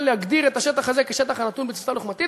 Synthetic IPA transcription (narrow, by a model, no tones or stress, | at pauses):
leaɡd̪iʁe̞t̪aʃe̞t̪aχazekeʃe̞t̪aχanat̪unbet͡si̥faluχmat̪i